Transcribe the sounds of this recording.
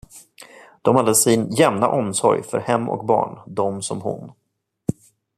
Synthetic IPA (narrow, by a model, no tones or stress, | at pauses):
d̪̥ɔmhad̪ːəsɪnjɛmna̰ʔɔmsɔɾjfœɾhɛmːɔ̰k̚bɑ̰ːɳd̪ɔmsɔmhʊ̰n